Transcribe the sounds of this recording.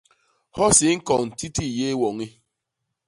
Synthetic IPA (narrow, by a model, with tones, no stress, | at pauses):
hɔ˦sɪ˨ŋ̩˦kɔ˨n̩˨ti˦ti˦˨je˦wɔ˨ŋɪ˦